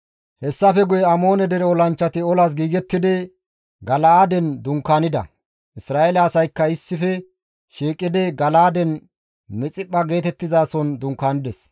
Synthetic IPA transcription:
hɛsːɐfɛɡʊjɛɐmo̞ːnɛd̪ɛɾɛɔlɐnt͡ʃːɐt̪ɪɔlas̬ɡiːɡɛt̪ːɪd̪ɛ | ɡɐlɐaːd̪ɛnd̪ʊŋkːaːnɪd̪ɐ̰ | ʔɪsɾaːʔelɐːsɐjkːɐɪsːɪfɛ | ʃiːkʼːɪd̪ɛɡɐlaːd̪ɛn | mɛt͡sʼɪpːɐɡe̞ːt̪ɛt̪ːɪzaːsɔnd̪ʊŋkːaːnɪd̪ɛs

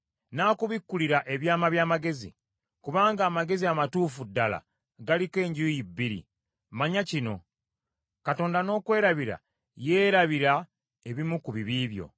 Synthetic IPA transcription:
naːkuβikːuliɾaʔeβjaːmaβjaːmaɡe̞zḭ | kuβaːŋɡaːmaɡe̞ziamatuːfudːala̰ | ɡalike̞ːɲɟujibːiɾḭ | maɲacino̞̰ | kato̞ːndano̞ːkwe̞ːɾaβiɾa̰ | je̞ːɾaβiɾa | e̞βimukuβiβiːβjo̞̰

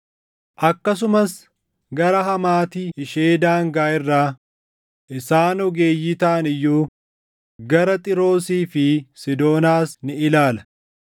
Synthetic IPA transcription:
ʔɐkːɐs̬ʊmɐs | ɡɐɾɐɦɐmaːt̪iɪʃeːd̪aːŋɡaːɪrːaː | ʔɪsaːnɔɡeːjːit̪aːʔɐnɪjːuː | ɡɐɾɐt̪ʼɪɾo̞ːsiːfɪsɪd̪o̞ːnaːsnɪɪlaːlɐ

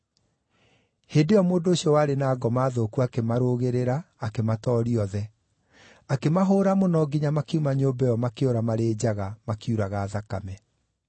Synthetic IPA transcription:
heːdeɔmoːndoːɕiɔwaːɾenaːɡɔmaːðoːkuakemaɾoɣeɾeɾaːkematɔɾiɔðɛ | akemaɦoːɾamonɔɡiɲamakiumaɲoːbɛjɔmakeoɾamaɾeːd͡ʑaɣamakiuɾaɣaːðakamɛ

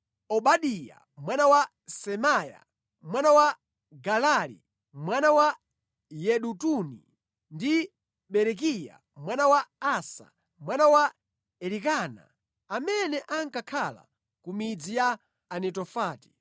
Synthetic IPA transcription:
ɔɓaɗija̰ | mwanawa | sɛmaja̰ | mwanawa | ɡalalḭ | mwanawa | jɛɗutunḭ | ndi | ɓɛɾɛk̬ija̰ | mwanawaːsa̰ | mwanawa | ɛlikaːna̰ | amɛnɛʔaŋkakʰala̰ | kumid͡zijaː | nɛtɔfaːti̥

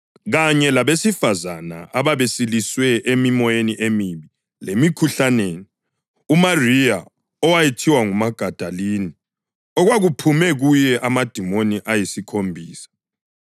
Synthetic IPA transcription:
ɣaɲɛlaβesifazana̰aβaβesiliswɛʔemimɔjeniʔemiβi | lemikʰuɬaneːni | umarija | ɔwajetʰiwaŋumaɡ̥ʱad̥ʱalini | ɔɣwaɣupʰumɛɣujɛʔamad̥ʱimoniʔajisikʰombʱiːsḁ

